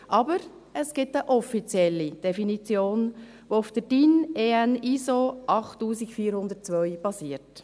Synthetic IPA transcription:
ʔɑbəɾ | əsɡ̥ɪtəʔɔfit͡sjɛlːid̥ɛfinit͡sjoːn | ʋoʊfd̥əd̥ineænisoʔɑχtːuːsikfiːəɾhʊnd̪ətt͡sʋœʏb̥ɑsiːəɾt

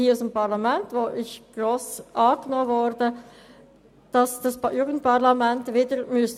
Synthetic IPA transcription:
hiːusəmpɑʁlɑmɛntvoːʔɪçɡ̥ʁoːsʔɑːɡ̥nɔːvɔɾd̥ə | d̥ɑsd̥ɑsjuːɡənt̚pʰɑʁlamɛntviːdəɾmys

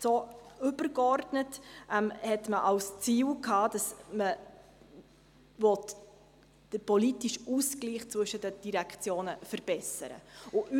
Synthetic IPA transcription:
soʏbərkɔrdnətʔɛmhɛtməʔɑlst͡siːlkhɑːd̥ɑsmə | vɔt | d̥əpɔlitiʃuːsɡliːχt͡svɵʃədəd̥iɾækt͡sjoːnəfəɾb̥ɛsə̰ɾə̰ʊʔy

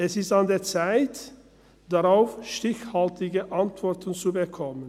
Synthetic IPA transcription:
ʔɛsɪstandeːɐt͡saɪt | d̥aʁaʊfʃtɪçhaltɪɡəʔantv̥ɔʁtənt͡subəkʰɔmən

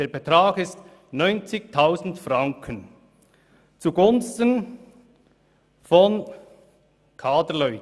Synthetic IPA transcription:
d̥eːbetɾaːɡɪst | nɔʏnt͡sɪç̚tʰaʊzn̩tfraŋkʰən | t͡suɡʊnstən | fɔn | kʰaːdəlœʏt

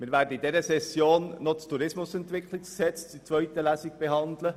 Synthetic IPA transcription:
mɪːɾʋæːɾdəidɛɾəsɛsjoːnːɔt͡stuɾɪsmʊsɛnt̪ʋɪkχlɪkksɛt͡st͡sit͡sʋœʏt̪əlæːsiɡ̚b̥ɛɦɑnd̪lə

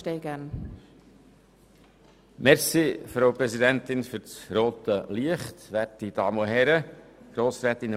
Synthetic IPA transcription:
tɛːɡæn | mɛɾsifɾowpɾɛzidænt̪ɪnfʏɾt͡sɾoːt̪əliəχtʋætid̥̪ɑːməɦɛɾəɡ̥ɾoːsɾɛːt̪ɪn

